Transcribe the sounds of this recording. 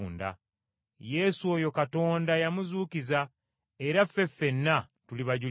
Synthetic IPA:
nda̰ | je̞ːsuojo̞kato̞ːndajamuzuːkiza | e̞ɾafːe̞fe̞nːa | tuliβaɟu

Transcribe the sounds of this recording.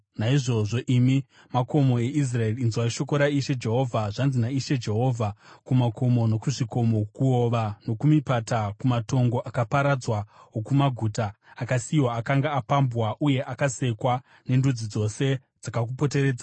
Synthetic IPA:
naiʐo̞ʐo̞ʔimi | mako̞mo̞e̞ʔis̬rae̞riːnziwaiʃo̞ko̞ɾaiʃe̞d͡ʒe̞ɦo̞vʱaʐanzinaiʃe̞d͡ʒe̞ɦo̞ːvʱakumako̞mo̞no̞kuʐiko̞mo̞kuo̞ʋano̞kumipatakumato̞ŋɡo̞ʔakapaɾad͡zwaɦokumaɡʱuːtaː | kasiwaːkaŋɡaːpambwaʔuje̞ʔakase̞kwa | ne̞ndud͡zid͡zo̞se̞ | d͡zakakupo̞te̞ɾe̞ːd͡za

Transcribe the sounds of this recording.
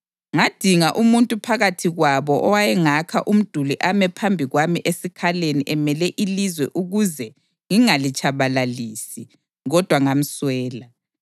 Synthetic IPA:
ŋad̥ʱiŋaʔumuntʼupʰaɣatʰiɣwaβɔʔɔwajɛŋakʰaʔum̩d̥ʱuliʔamɛpʰambʱiɣwamiʔesikʰaleniʔɛmɛlɛʔilizwɛʔuɣuzɛ | ŋiŋalit͡ʃʼaβalaliːsi | ɣɔd̥ʱwaŋam̩swɛːla

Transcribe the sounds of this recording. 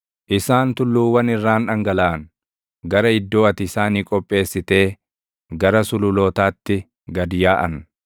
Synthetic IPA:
ʔɪsaːnt̪ʊlːuːwɐnɪrːaːnᶑɐŋɡɐlaːn | ɡɐɾɐɪd̪ːo̞ːɐt̪ɪːsaːniːkʼɔpʼːe̞ːsːɪt̪e̞ː | ɡɐɾɐsʊlʊloːt̪aːt̪ːɪ | ɡɐd̪ɪjaːʔɐ̰n

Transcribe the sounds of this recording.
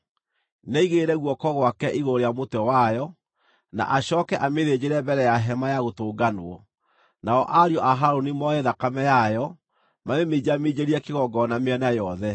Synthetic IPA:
naiɣeɾɛɣwɔkɔɣwakɛʔiɣoɾejamotɛwajɔ | na̰ʔaɕɔːkɛʔameðed͡ʑeɾɛbɛɾɛjaɦɛmajaɣotoːɡanoɔ | naɔʔaɾjɔʔaɦaɾonimɔeðakamɛjajɔ | manemed͡ʑamed͡ʑeɾiɛkeɣɔɡɔnameɛnajɔðɛ

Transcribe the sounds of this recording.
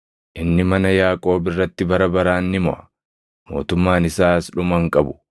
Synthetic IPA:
ʔɪnːɪmɐnɐjaːkʼo̞ːbɪrːɐt̪ːɪbɐɾɐbɐɾaːnːɪmɔ̰ʔɐ̥ | mo̞̰ːt̪ʊmːaːnɪsaːsᶑʊmɐŋkʼɐbʊ̥

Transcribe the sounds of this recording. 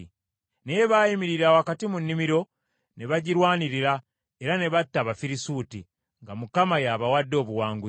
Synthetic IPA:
nejeβaːjimiɾiɾawakatimunːimiɾo̞ | ne̞βaɟiɾwaːniɾiɾa | eɾane̞βatːaβafiɾisuti | ŋɡamukamajaːβawadːo̞ːβuwaːŋɡu

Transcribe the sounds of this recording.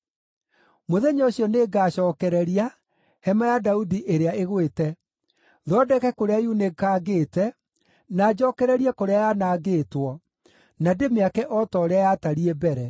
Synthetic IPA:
moðɛɲaoɕjɔneːɡaːɕɔːkɛɾɛɾia | hɛmajadaudiʔeɾeaeɣwetɛ | ðɔdɛkɛkoɾeajunekaːɡeːtɛ | naːd͡ʑɔkɛɾɛɾiɛkoɾeajaːnaːɡeːtwɔ | nademeakɛʔɔtɔɾeajaːtaɾiɛbɛɾɛ

